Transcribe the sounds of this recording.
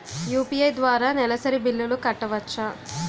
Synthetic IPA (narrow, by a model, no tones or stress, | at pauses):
juːpiɐjd̪ʋaːɾaːnɛlɐsɐɾibilːulukɐʈːɐʋɐt͡ʃːɐ